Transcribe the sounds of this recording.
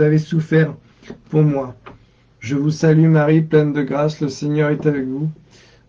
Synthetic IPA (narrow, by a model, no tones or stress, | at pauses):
avesufɛʁ | puʁmwa | ʒəvusalymaʁiplɛnd̪əɡʁasləsɛɲœʁɛt̪avɛkvu